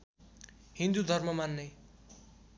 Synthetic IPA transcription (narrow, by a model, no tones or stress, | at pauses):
ɦind̪ud̪ʱʌrmʌmanːʌj